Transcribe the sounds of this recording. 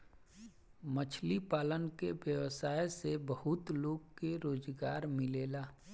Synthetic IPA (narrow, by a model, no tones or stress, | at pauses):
mət͡ʃʰlipaːlənkeʋjəwsaːjsebəhʊt̪loːɡkːeɾoːzɡaːɾmɪleːlaː